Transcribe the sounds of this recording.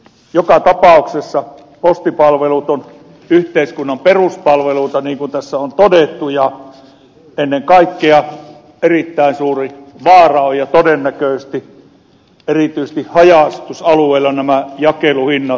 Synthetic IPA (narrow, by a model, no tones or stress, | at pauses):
jokɑt̪ɑpɑˑuksesːɑ | post̪ipɑlʋelut̪on | yht̪eiskunːɑmperuspɑlʋeluːˑt̪ɑniːŋkunt̪æsːæont̪odet̪ːujɑ | enːeŋkɑˑikːeɑ | erit̪ːæˑinsuːriʋɑːrɑojjɑt̪odenːækøˑst̪i | erit̪yises̆t̪ihhɑjɑˑst̪usɑlueilːɑnæmæjɑkeluhinːɑ